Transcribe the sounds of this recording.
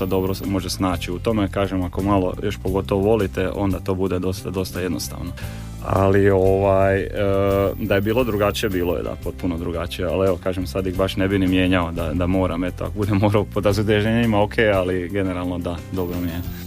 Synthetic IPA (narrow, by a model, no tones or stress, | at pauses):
ad̪o̞bɾomo̞ʒesnaːt͡ʃiut̪o̞mekaːʒemako̞malˠo̞̰jʔo̞ʃpoɡo̞t̪oʋoʋo̞lit̪e̞o̞̰nd̪at̪o̞ːbud̪e̞d̪o̞st̪ad̪o̞st̪aje̞d̪nost̪a̰ːʋno | a̰lio̞ʋajəd̪aje̞biːlˠo̞d̪ɾuɡat͡ʃije̞biːlojḛd̪a̰po̞t̪̚punod̪ɾuɡat͡ʃijealeʋo̞kaːʒemsad̪iɣbaʃne̞binimje̞ːɲao̞d̪ad̪amo̞ːɾame̞t̪oa̰kobud̪emːoɾaopod̪ɾazud̪eʒeɲeimaokʰe̞ːaliɡe̞neɾalˠno̞d̪ad̪o̞bɾomije